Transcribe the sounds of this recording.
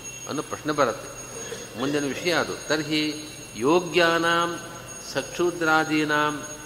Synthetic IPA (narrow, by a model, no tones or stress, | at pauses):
ɐ̰nːupɾɐʂnɐbɐɾɐt̪ːe | mund̪inɐʋiʂɐjaːd̪ṵt̪ɐɾɦi | joːɡjaːnaːm | sɐkʂuːd̪ɾaːd̪iːnaːm